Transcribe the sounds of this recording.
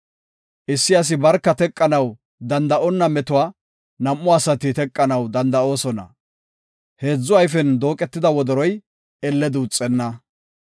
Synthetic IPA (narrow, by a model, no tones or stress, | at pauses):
ʔɪsːɪɐs̬ɪbɐɾkːɐt̪ɛkʼːɐnɐw | d̪ɐnd̪ɐʔɔnːɐmɛt̪ʊwaː | nɐmːʊɐsɐt̪ɪt̪ɛkʼːɐnɐwd̪ɐnd̪ɐo̞ːsɔnɐ̰ | he̞ːd͡zːʊɐjfɛnd̪o̞ːkʼɛt̪ːɪd̪ɐwɔd̪ɔɾɔj | ɛlːɛd̪uːt͡sʼːɛnːɐ